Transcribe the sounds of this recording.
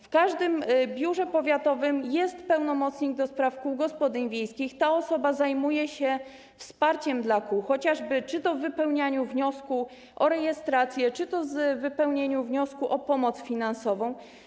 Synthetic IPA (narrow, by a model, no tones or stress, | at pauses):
fkaʐd̪ɘmbʲjuʐɛpɔvʲjat̪ɔvɘmjɛst̪pɛwnɔmɔt̪sɲiɡ̚d̪ɔspɾafkuwɡɔspɔd̪ɘɲvʲjejskʲixt̪aɔsɔbazajmujɛɕɛ | fspaɾt͡ɕɛmd̪lakuwxɔt͡ɕaʐbɘt͡ʂɘt̪ɔvːɘpɛwɲaɲuvɲɔsku | ʔɔɾɛjɛst̪ɾat̪sʲjɛt͡ʂɘt̪ɔzvɘpɛwɲeɲuvɲɔskuʔɔpɔmɔt̪sfʲinansɔvɔ̃w̃